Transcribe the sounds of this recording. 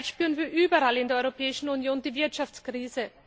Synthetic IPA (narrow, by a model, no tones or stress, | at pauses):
tʃpyːənviːɐʔyːbɐalɪndeːɐɔʏʁopʰɛːɪʃn̩unjoːndiːvɪɐtʃaft͡skʁ̥iːzə